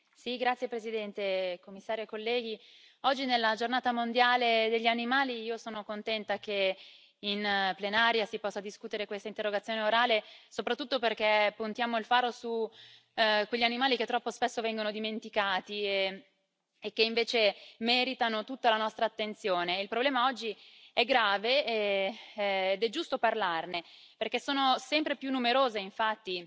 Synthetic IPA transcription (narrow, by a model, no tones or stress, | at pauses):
siɡɾat̪sːjepɾesid̪ɛnt̪ekomːisːaːɾjoekolːɛːɡ̟i | ɔd͡ʒːinelːad͡ʒornaːt̪amond̪jaːled̪eʎːianimaːliiːosoːnokont̪ɛnt̪ake | inplenaːɾjasipɔsːad̪iskuːt̪eɾekwest̪aint̪erːoɡat̪sːjoːneoɾaːlesopɾat̪ːut̪ːoperkepːunt̪jaːmoilfaːɾosu | kweʎːianimaːlik̟et̪ːɾɔpːospesːovɛŋɡonod̪iment̪ikaːt̪ie | ek̟ːeiɱveːt͡ʃemɛːɾit̪anot̪ut̪ːalanɔst̪ɾaːt̪ːent̪sjoːneilpɾoblɛːmaɔd͡ʒːiɛɡɾaːveeː | d̪ɛd͡ʒːust̪oparlarne | perkesːoːnosɛmpɾepjunːumeɾoːzeiɱfat̪ːi